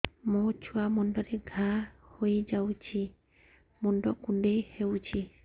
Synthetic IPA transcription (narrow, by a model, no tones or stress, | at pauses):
mot͡ʃʰuwamɔɳɖɔɾeɡʱahojd͡ʒawt͡ʃʰi | mɔɳɖɔkuɳɖejhewt͡ʃʰi